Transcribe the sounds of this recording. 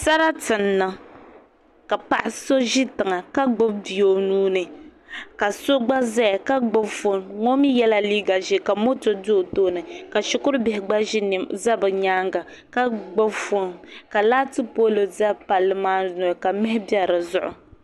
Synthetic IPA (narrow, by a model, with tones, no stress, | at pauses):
sa˦ɾa˦tɨ˨nːa˦ | ka˨pa̰˨ʔɪ˨so˦ʒi˦tɨ˨ŋa˨ka˦ɡ͡bo˦bbi˨jo˨nuː˦nɨ˨ | ka˨so˦ɡ͡ba˦zɛ˦ja˨ka˦ɡ͡bo˦bfo˦nŋo˦mi˦jɛ˦la˦liː˦ɡa˨ʒi˦ka˨mo˦to˨do˦˨toː˦nɨ˨ka˨ʃʊ˦kʊ˦ɾʊ˦bɪ˨hɪ˨ɡ͡ba˦ʒi˦n˨za˦bɨ˨ɲaː˦ŋɡa˨ | ka˦ɡ͡bo˦bfo˦nka˨laː˦tɨ˦po˦lɨ˨za˦pa˨lːɨ˦maː˦no˨ka˨mɛ˦hɪ˦bjɛ˦ɾɨ˨zʊ̰˦ʔʊ̰˨